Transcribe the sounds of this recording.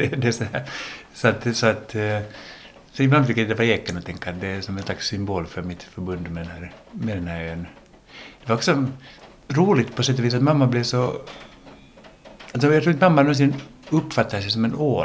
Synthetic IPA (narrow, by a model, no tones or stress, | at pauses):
ɛd̪ɛsɔhæɾ | sɔat̪sɔat̪ | sɔɪbland̪fɪkːjaɪd̪ɛvaɾaɛkənɔt̪ʰɛŋkːat̪d̪ɛsɔmɛnslaksːʏmboːlfœɾmɪt̪fœɾbɵnd̪mɛd̪ɛnhæːɾmɛd̪ɛnhæːɾøːn | d̪̥ɛvaɾɔksɔ | ɾuːlɪɡt̪pʰɔsɛt̪ːɔviːs̬at̪mamːablɪsɔ | als̬ɔjɑt̪ɾuːɾnt̪mamːad̪ɛnːnsiːd̪ənɵpːfat̪ːad̪əsɛjs̬ɔmɛnoː